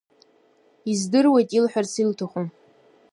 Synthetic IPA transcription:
izdɨrwejtʼilħʷᶣarsiltʰaχʷum

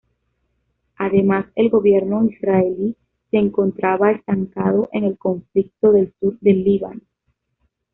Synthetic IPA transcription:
aðe̞mase̞lɡo̞βje̞ɾno̞isɾaeli | seːŋko̞nt̪ɾaβaest̪aŋkaðo̞ʔe̞ŋe̞lko̞ɱflik̚t̪o̞ðe̞lsuɾd̪e̞lːiβa̰n

